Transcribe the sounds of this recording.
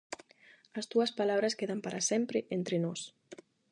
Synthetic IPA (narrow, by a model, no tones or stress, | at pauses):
ɐst̪uɐspalaβɾaskeðampaɾʔasempɾeʔent̪ɾenos